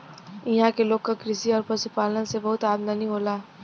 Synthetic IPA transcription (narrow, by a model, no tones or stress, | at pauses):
iɦãkeloːɡk̚kːakɾɪsiɔːɾpɐsupaːlənsebɐɦʊt̪aːbd̪anĩɦoːlaː